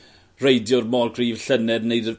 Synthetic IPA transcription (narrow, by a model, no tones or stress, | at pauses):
rejdjʊrmɔːlˠkʰriːv̥ɬənɛdnejd